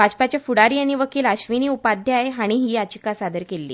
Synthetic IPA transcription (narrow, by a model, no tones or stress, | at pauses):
bat͡ɕpat͡ɕjafuɽaɾiːaɽ̃iʋəkiːlaɕʋiniːupad̪ʱjaeɦaɽ̃iɦiːat͡ɕikasad̪əɾkelːḭː